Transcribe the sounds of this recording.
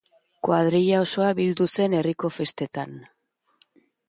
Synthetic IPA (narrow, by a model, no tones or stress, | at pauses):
kwað̞ɾiʎao̞so̞aβild̪use̞ne̞riko̞fe̞st̪e̞t̪an